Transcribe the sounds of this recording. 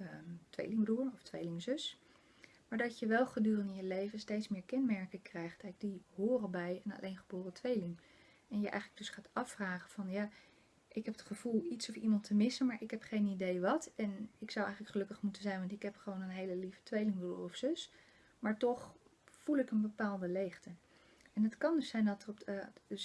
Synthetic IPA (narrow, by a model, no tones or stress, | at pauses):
ətʋḛjlɪŋbruːɹɔftʋejlɪŋzøs | maːɹdɑcjəʋɛlˠχədyːrəndɪnjəlejvənstejtsmɪːɹkɛnmɛɹkəkrɛjχttɛɡ̚diɦoːrəbɛjənɑ̰lʔejnχəboːrətʋejlɪŋ | ɛnjəʔɛ̰jχələɡdɵsχaːtɑfraːχənv̥ɑnjaː | ʔɪkɦɛpətχəv̥ulˠitsɔfimɑntʰəmɪsənmaːɹʔɪkɦɛpχejnidejʋɑtɛnɪksɑwʔɛ̰jχələkχəlɵkəχmutənzɛjnʋɑntɪkɦɛpχəʋownənɦejləlivə̥tʋejlɪŋbruɔfsʏs | maːɹtɔχ | fulˠɪkənbəpaːlˠdəlejχtə | ɛnɦətkɑndɵsɛjndɑtərɔpds